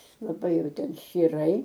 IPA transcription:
lˠɐˈbɐɪ ˈjɛʊ ˈtʲɛn ʃʲt͡ʃʲiːˈrɐɪ

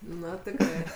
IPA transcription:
ˈnʊ tʲɪkˈrɐɪ

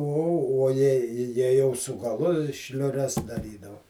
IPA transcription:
uɔ uɔ ˈjɛɪ jɛɪ jɛʊ sʊ ɡɐˈlˠʊ ʃʲlʲʊˈrʲɛs dɐˈrʲiːdɐʊ

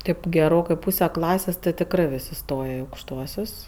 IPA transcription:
ˈtɐɪp ɡʲɛˈroːkɜ ˈpuːsʲɛ ˈklˠɑːsʲeːs tʲɪ tʲɪkˈrɜ ˈʋʲɪsʲ ɪˈstoːjɛ ɪ ɐʊkʃˈtuɔsʲʊs

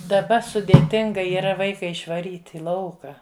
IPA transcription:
dɐˈbɐ sʊdʲeːˈtʲɪŋɡɐ iːˈrɐ ˈʋɐɪkɐ ɪʃʋɐˈrʲiːtʲ ɪ ˈlˠɐʊkɐ

